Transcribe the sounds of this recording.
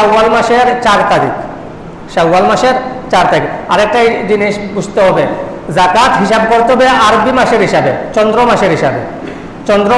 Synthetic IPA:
awalmaʃeɾt͡ɕaɾt̪aɾḭk | ʃawːalmaʃeɾt͡ɕaɾt̪aɾikaɾek̚ʈajɖiniʃbud͡ʑt̪eɦɔbe | zakat̪ɦiʃab̚koɾt̪eɦɔbeaɾobimaʃeɾɦiʃabet͡ɕɔnd̪ɾomaʃeɾɦiʃabḛ | t͡ɕɔnd̪ɾo

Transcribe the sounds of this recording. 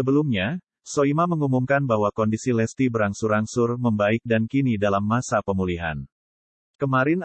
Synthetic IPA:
əbəlumɲa | soimaməŋumumkanbaɦwakɔndisilɛst̪ibəɾaŋsuɾaŋsʊrməmbaɪk̚dankinidalamːasapəmuliɦa̰n | kəmaɾɪn

